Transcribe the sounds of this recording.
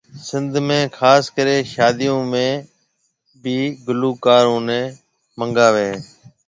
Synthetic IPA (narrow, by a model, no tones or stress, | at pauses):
sɪnd̪ʱmẽːkʰaːskəɾeːʃaːd̪ijõːmẽː | biːɡluːkaːɾõːnẽː | məŋɡaːʋeː